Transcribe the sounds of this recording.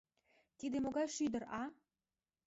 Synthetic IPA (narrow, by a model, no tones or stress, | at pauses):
t̪id̪emoɣɑjʃyd̪ə̆ɾɑ